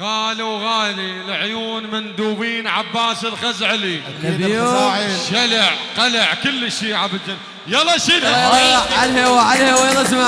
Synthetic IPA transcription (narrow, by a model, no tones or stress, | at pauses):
ɣaːliwɣaːlilʕjuːnmɪnd̪uːbiːnʕabːaːsɪlɣazʕli | ʃalɪʕqalaʕkʊlːʃiːʕabɪld͡ʒɪnː | jɑlˤːɑʃinalalhewaʕalhewajlːɑsma